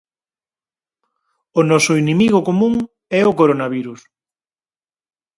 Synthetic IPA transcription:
onɔsʊinimiɣokomũŋ | ɛokoɾonaβiɾus

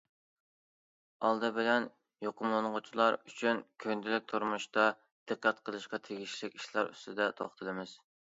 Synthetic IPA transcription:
ɑlˠd̪ɨbɪlɛn | joqʊmlˠɨnʁʊt͡ʃʰilˠɑɾyt͡ʃʰynkʲʰønd̪ɪlɪk̚ʲt̪ʰuɾmuʃt̪ɑ | d̪̥ɨqːæt̪qʰəlˠɨʃqɑt̪ʰeɡʲiʃlɪkʲiʃlˠɑɾy̰st̪ɪd̪ɛt̪ʰo̰χt̪ʰɨlˠɨmɪz̥

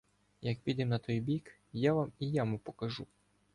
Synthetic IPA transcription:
jɐkpʲid̪ɛmnɐt̪ɔjbʲik | jaʋamijamʊpɔkɐʒu

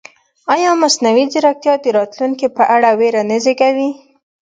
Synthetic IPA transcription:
ɑjɑmasnawizɪɾak̚t̪jɑd̪əɾɑt̪luŋkipəʔaɽaweɾanəzekawi

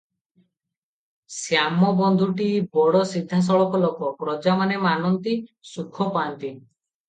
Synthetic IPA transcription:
sjamɔbɔnd̪ʱuʈibɔɽɔsid̪ʱːas̬ɔɭɔkɔlokɔkɾɔd͡ʒamanemanɔnt̪isukʰɔpaːnt̪i

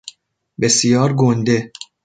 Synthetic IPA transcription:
be̞sijɒːɾɡond̪e̞

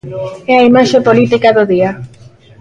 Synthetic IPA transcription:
ɛaimaʃepolit̪ikaðoðia

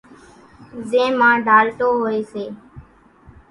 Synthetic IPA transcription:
zẽːmãːɖʱaːɾʈ̪oːɦoːeːseː

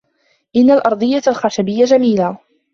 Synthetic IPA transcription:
ʔɪnːalʔɑɾˤd̪ˤɨjːalxaʃabɪjːad͡ʒamiːlaː

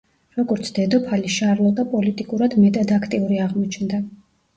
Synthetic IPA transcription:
ɾɔɡɔɾt̪sʰd̪̥ɛd̪ɔpʰaliʃaɾlˠɔd̪apʼɔlit̪ʼikʼuɾad̪mɛt̪ʼad̪akʰt̪ʼiuɾiaʁmɔt͡ʃʰnd̪a

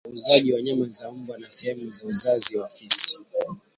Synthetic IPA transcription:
uzaʄiwaɲamazaumbanasɛhɛmuzauzaziwafisi̥

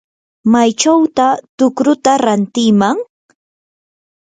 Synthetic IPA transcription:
majt͡ʃawt̪at̪ʊkɾʊt̪aɾant̪ɪmaŋ

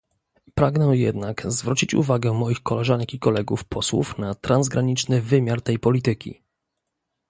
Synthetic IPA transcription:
pɾaɡnɛjɛ̰d̪nakzvɾut͡ɕit͡ɕṵvaɡɛmɔjixkɔlɛʐaŋkʲikɔlɛɡufpʰɔswṵfnat̪ɾanzɡɾaɲit͡ʂnɘvɘmʲjaɾt̪ɛjpɔlʲit̪ɘkʲḭ

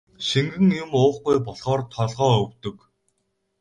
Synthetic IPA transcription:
ʃiŋɡɘ̆ŋjʊmʊːχɡujpɔɮχɔːrt̪ʰɔɮʁɔːɵwt̪ɵ̆k

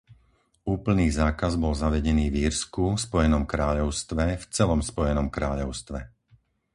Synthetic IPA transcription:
uːpl̩niːzaːkazbɔlzaʋɛɟɛniːviɾskuspɔjɛnɔmkɾaːʎɔʊst̪ʋɛft͡sɛlɔmspɔjɛnɔmkɾaːʎɔʊst̪ʋɛ

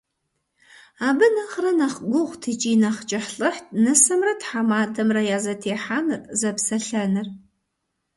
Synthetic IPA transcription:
aːbɨnɐχrɐnɐχɡʷʊʁʷtʰit͡ʃʼiːnɐχt͡ʃʼɪħɬʼɨħt̚ʰnɨsɐmrɐtħamaːdɐmrɐjaːzɐtʰeːħaːnɨrzɐpsɐɬɐnɨr

